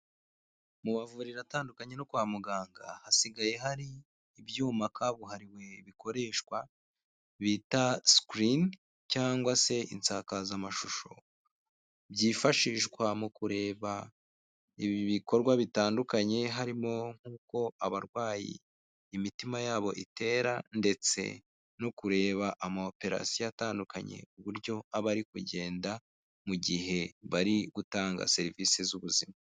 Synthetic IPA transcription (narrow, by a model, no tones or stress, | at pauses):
muβavuɾiɾataːndukaɲe̞nokwaːmuɡaːŋɡa̰hasiɡaje̞ɦaɾiː | bjuːmakʰaβuɦaɾiwe̞βiko̞ɾe̞ːʃkwa | βitaskɾin | caːŋɡwase̞ḭnt͡sakazamaʃuʃo̞ | bjifaʃiʃkwamukuɾe̞ːβa | iβiβiko̞ɾɡwaβitaːndukaɲe̞ɦaɾimo̞ŋ̥huːko̞aβaɾɡwaːjḭː | mitimajaːβo̞ʔite̞ːɾande̞t͡se̞̰ | nokuɾe̞ːβaʔamaope̞ɾa̰sjijataːnduka̰ɲe̞̰uβuɾɟo̞aβaɾikuɟe̞ːnda | muɟiɦe̞βaɾiɡutaːŋɡa̰se̞ɾiviːse̞zuβuzima